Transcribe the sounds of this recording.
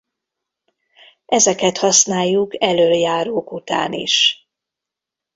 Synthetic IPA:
ʔɛzɛkɛt̪hɒsnaːjːukɛløːljaːɾoːkut̪a̰ːnḭʃ

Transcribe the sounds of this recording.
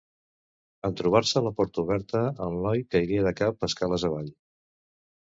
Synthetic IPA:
ənt̪ɾuβ̞aɾsəːləpɔɾt̪əuβɛɾt̪əːllɔjkəiɾiəðəkapəskaləzəβ̞aʎ

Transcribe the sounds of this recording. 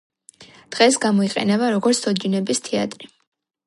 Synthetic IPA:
d̪̥ʁɛsɡamɔiqʼɛ̰nɛbaɾɔɡɔɾt̪sʰɔd͡ʒinɛbist̪ʰɛa̰t̪ʼɾi

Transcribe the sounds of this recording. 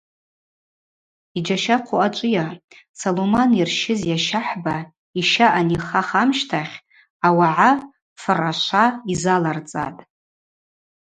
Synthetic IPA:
id͡ʒaʃaqʷʰoat͡ʃʷʼɨja | solomanirʃɪzjaʃaħba | iʃaʔaniχaχamʃtʰaχʲ | awaʕa | fɨraʃʷaizalart͡sʼa̰tʼ

